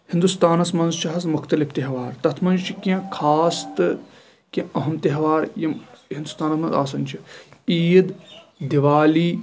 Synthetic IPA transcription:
hɪ̃nd̪ust̪aːnɐsmɐnzʃt͡ʃɐɦɐzmʊkʰt̪ɐlift̪eɦʋaːɾt̪ɐt̪ʰmɐnd͡ʒt͡ʃʰikẽkʰaːst̪ɨ | kẽɐɦɐmt̪eɦʋaːɾjɐɦĩnd̪ust̪aːnɐsmɐ̃nza̰ːsɐnʲt͡ʃʰiiːd̪d̪iʋaːliː

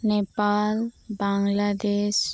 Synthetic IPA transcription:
nepalbãŋlad̪eʃ

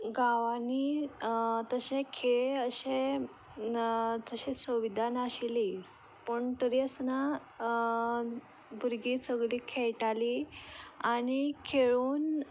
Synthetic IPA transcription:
ɡaʋani | t̪əɕẽkʰeɭəɕẽ | d͡zəɕesəʋid̪ʱanaɕili | pəɳt̪əɾiəsna | bʱuɾɡiːsəɡɭiːkʰeɭʈali | añikʰeɭuːn

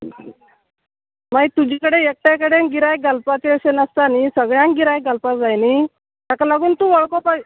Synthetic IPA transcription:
mait̪ud͡ʑʱiːkəɽeek̚ʈjakəɽenɡiɾajɡʱəlpat͡ɕeəɕenəst̪anisəɡɭjãŋɡiɾajɡʱəlpasd͡zajni | t̪akalaɡuːnt̪uːʋəɭkopa

